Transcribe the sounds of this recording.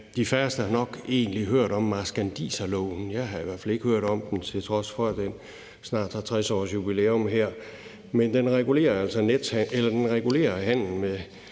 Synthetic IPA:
d̥ifæɐsd̥əɑnɒ̽ɡ̥e̝̰ːnliɦøɐ̰ɾ̥ɒ̽mːɑ̈sɡ̥ænd̥ḭːsælɔʊn̩jɑ̈ɪɦɑ̈iʋæɐ̰fæle̝ɡ̥əhøɐ̰ɾ̥ɒ̽md̥emt͡sʰe̝lt͡sʰʁɒ̽sfɒ̽æd̥en | snɑ̰̈ːd̥hɑ̈t͡sʰʁɛsɒ̰ːsjub̥ileːɔmɦeɐ̰ | mend̥enʁɛɡ̥ule̝̰ːɐæl̰sɒned̥hæelɐd̥enʁɛɡ̥ule̝̰ːɐhæn̰l̩me

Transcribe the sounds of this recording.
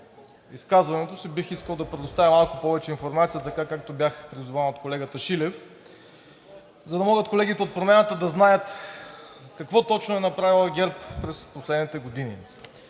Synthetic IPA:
iskazvɐnɛt̪osibixiskəlˠd̪ɐpɾɛd̪ost̪avimalˠkʊpɔvɛt͡ʃɛinfoɾmat̪sijət̪ɐkakak̚t̪obʲjaxpɾizʊvanot̪̚kolɛɡət̪əʃilɛf | zɐd̪ɐmɔɡət̪kolɛɡʲit̪ɛot̪̚pɾomɛnət̪əd̪ɐznajət̪ | kɐkvɔt̪ɔt͡ʃnʊɛnɐpɾavilˠɡʲɛɾppɾɛsposlɛd̪nit̪ɛɡod̪inḭ

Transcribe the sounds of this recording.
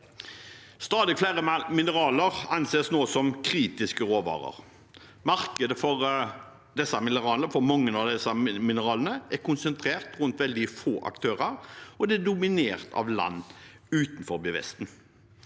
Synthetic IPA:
st̪ɑːd̪ɪflæːʁəmɪnəʁɑːləʁɑnseːsnoːsɔmkʰʁiːt̪ɪskəɾoːʋɑ̰ːʁə̰ʁ | mɑʁkəd̪əfɔʁ | d̪ɛsːɑmɪnəʁɑːləfɔɾmɑŋːənɑʋd̪ɛsɑmɪnəʁɑːlənəæʁkʊnsənt̪ʰɾeːʁt̪ʁʉnt̪ʋɛld̪ɪfoːʔɑ̰kt̪ʰøːʁəʁɔd̪ɛæd̪ʊmɪneːʁt̪ʰɑ̰ʋlɑ̰nː | ʉːt̪n̩fɔɾbɪʋɛ̰st̪n̩

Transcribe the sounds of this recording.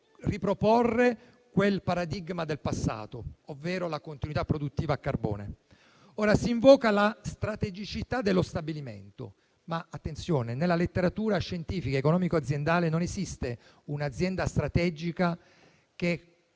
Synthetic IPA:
ripɾoporːe | kwelpaɾad̪iɡmad̪elpasːa̰ːt̪oovːeːɾolakont̪inuit̪apːɾod̪ut̪ːiːvaːkːarbo̰ːnḛ | oːɾasiːɱvɔːkalast̪ɾat̪ed͡ʒit͡ʃit̪ad̪ːelːost̪abilimḛnt̪o̰ | maat̪ːent̪sjoːnenelːalet̪ːeɾat̪uːɾaʃːent̪iːfikaekonɔːmikoad̪zjend̪aːlenonezist̪e | unad̪zːjɛnd̪ast̪ɾat̪ɛd͡ʒika | k̟e

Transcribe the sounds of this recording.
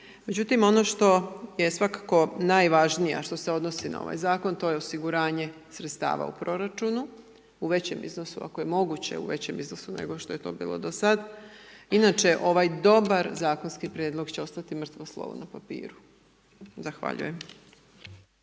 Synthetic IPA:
me̞d͡ʑut̪imo̞no̞ʃt̪o̞je̞sʋakḁko̞najʋaʒnija̰ʃt̪o̞se̞o̞d̪no̞sina̰o̞̰ʋa̰jzaːko̞nt̪o̞ːjeosiɡuɾaːɲe̞ | sɾet̪st̪a̰ːʋa̰upɾo̞ɾat͡ʃunu | uʋe̞t͡ɕe̞mʔḭzno̞sua̰kojemo̞ɡut͡ɕe̞̰ṵʋe̞t͡ɕe̞mizno̞sunḛɡo̞ʃt̪o̞je̞t̪o̞̰ːbḭːlˠo̰d̪osad̪inat͡ʃe̞ʔo̞ʋajd̪o̞baɾzaːkonskipɾjed̪lˠo̞ɡt͡ɕeo̞st̪at̪imr̩t̪ʋoslˠo̰ʋṵnapapḭːɾu | zaxʋa̰ʎṵje̞m

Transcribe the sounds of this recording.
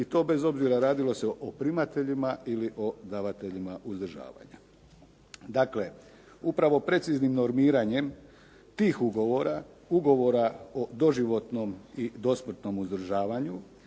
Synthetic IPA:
it̪o̞ːbe̞zo̞bziɾaɾaːd̪ilo̞seʔopɾimat̪e̞ʎimailiʔo̞d̪aʋat̪e̞ʎimaʔuzd̪r̩ʒa̰ːʋa̰ɲa | d̪akle̞ | upɾaʋo̞pɾe̞t̪siznimno̞ɾmiːɾaɲe̞m | t̪iːxuɡo̞ʋo̞ɾa | uɡo̞ʋo̞ɾaod̪o̞ʒiʋo̞t̪no̞mid̪o̞smr̩t̪no̞muzd̪r̩ʒaːʋaɲu

